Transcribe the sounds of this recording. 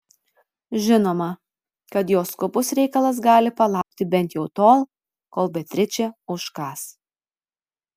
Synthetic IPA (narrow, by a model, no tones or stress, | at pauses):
ʒʲɪnoːmɐ | kɐt̪joːskʊbʊsɾʲɛɪkɐlˠɐs̬ɡɑːlʲɪpɐlˠɑˑʊk̚t̪ʲɪbʲɛnʲˑt̪jɛʊt̪oːlˠ | koːlˠbʲɛt̪ʲɾʲɪt͡ʃʲɛʊʃkɑːs